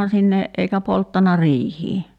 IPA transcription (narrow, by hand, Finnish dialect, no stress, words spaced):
sinːe eikæ poltːɑnɑ riːhiː